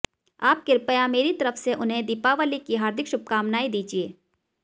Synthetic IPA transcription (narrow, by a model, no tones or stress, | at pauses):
aːp̚kɪɾpəjameːɾit̪ɐɾəfseʔʊnɦẽd̪iːpaʋəlikiɦaːɾd̪ʱɪkʃʊb̚kaːmnaːid̪iːd͡ʒieː